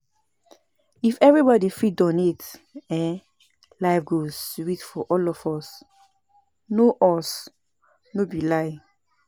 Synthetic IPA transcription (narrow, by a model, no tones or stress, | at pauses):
ifɛvɹibɔdifidɔ̃nitɛ̃ | laɪfɡoswitfɔʔɔlɔfɔs | noʔɔs | nobilaɪ